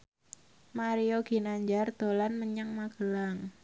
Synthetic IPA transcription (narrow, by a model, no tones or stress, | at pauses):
maɾioɡ̥i̤naɲd͡ʒard̪̥o̤lanməɲaŋmaɡ̥əlaŋ